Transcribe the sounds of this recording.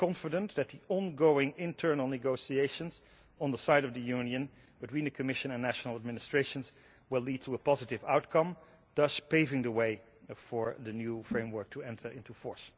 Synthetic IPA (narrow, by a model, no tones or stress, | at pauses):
kɑ̃ɱfədə̃nðɨt̪̚ðiʔɔ̃nɡoʊɪ̃ŋɪ̃ntʰɜ˞nəl̩ˠnɨɡoʊsieɪʃə̃nz | ə̃nðəsaɪɾʌvðɨjʉnjɨ̃n | bɨtwĩnðɨkʰɨmɪʃɨ̃nɨ̃nːæʃnl̩ˠəd̚mɪnɨstɹ̥eɪʃə̃nz | wɪlid̚tʰuəpɑzɨtɪvaʊtkʰʌ̃m | d̥ʌt͡ʃpeɪvɪ̃ŋðəweɪ | fə˞ðɨnjufɹẽɪ̃mwə˞k̚tʰuɛ̃ntʰə˞ʔɪ̃ntufɔɹs